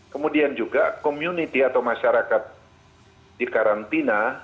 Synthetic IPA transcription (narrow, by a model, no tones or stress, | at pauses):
kəmudiand͡ʒuɡakomjunit̪iat̪awmaʃaɾakat̪̚ | dikaɾant̪ina